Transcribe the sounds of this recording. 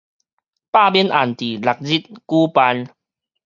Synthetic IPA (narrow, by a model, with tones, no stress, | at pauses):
pa˥˧˨bi˦ənʔa˨˩nt̪i˨˩la˨˩k̚zi˦t̪̚kuː˦pa˧n